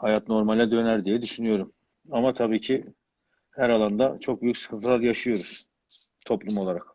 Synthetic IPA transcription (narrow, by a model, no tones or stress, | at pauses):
hajat̪no̞ɾmalʲɛd̪ønæɾd̪ijɛd̪yʃynyjo̞ɾum | amat̪ʰabiːcʰi | hæɾalˠand̪at͡ʃʰo̞k̚byjycsɯ̥kʰɯnt̪ʰɯlˠaɾjaʃɯjo̞ɾuz̥ | t̪ʰo̞plˠumo̞lˠaɾak